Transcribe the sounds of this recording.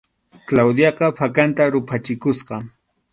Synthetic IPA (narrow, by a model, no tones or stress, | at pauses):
klawd̪jɑqɑpʰakant̪aɾʊpʰat͡ʃɪkʊsqɑ